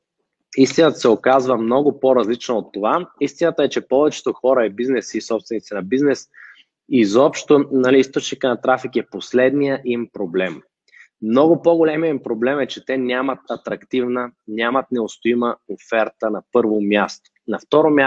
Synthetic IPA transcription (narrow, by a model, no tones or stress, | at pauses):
ist̪inət̪ə̥sɛokazvəmnɔɡʊpoɾɐzlit͡ʃnoot̪ːovaist̪inət̪əɛt͡ʃɛpɔvɛt͡ʃɛ̥t̪oxɔɾəɛbiznɛsiːsɔpst̪vɛnit̪sinɐbiznɛs | izɔpʃt̪onɐliist̪ot͡ʃnikənɐt̪ɾafikɛposlɛd̪nijəʔimpɾoblɛm | mnɔɡʊpoɡolɛmijəimpɾoblɛmɛt͡ʃɛt̪ɛnʲamət̪ɐt̪ɾɐkt̪ivnənʲamət̪nɛost̪oiməofɛɾt̪ənɐpɤɾvomʲjast̪o̥ | nɐft̪ɔɾomʲa